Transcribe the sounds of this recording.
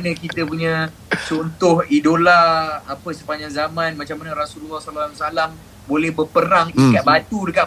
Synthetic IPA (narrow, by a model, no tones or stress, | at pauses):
nəkit̪əpuɲã | t͡ʃɔnt̪ʊɦidolaːpəsəpaɲd͡ʒaŋzamãnmãt͡ʃamːanaɾasullːahsalasalam | bolɛhbəpəɾaŋikat̪̚bat̪udəka